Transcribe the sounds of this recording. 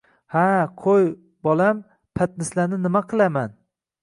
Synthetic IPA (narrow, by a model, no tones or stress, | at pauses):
haqʰoj | bɒlam | pʰat̪̚nɪslanɪnɪmaqʰɨlˠaman